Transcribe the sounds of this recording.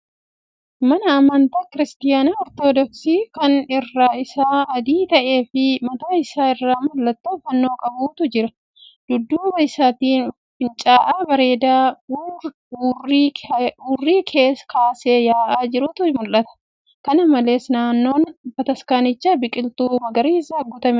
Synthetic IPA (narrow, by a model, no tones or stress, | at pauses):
mɐnɐːmɐnt̪ɐkɪɾɪst̪ɪjaːnaɔɾt̪oːd̪ɔksiːkɐnɪrːaːɪsaːɐd̪iːt̪ɐʔe̞ːfɪmɐt̪aːɪsaːɪrːaːmʊlːɐt̪ːɐfɐnːo̞ːkʼɐbuːt̪ʊd͡ʒɪɾɐ | d̪̥ʊd̪ːuːbɐɪsaːt̪iːn | fɪnt͡ʃʼaːʔaːbɐɾe̞ːd̪aː | r | uːrːiːkʰe̞ːskaːseːjaːʔaːd͡ʒɪɾʊt̪ʊmʊlːɐt̪ɐ̥ | kɐnɐmɐle̞ːsnaːnːo̞ːnbɐt̪ɐskaːnɪt͡ʃːabɪkʼɪlt̪uːmɐɡɐɾiːɪsɐɐɡːʊt̪ɐmɛ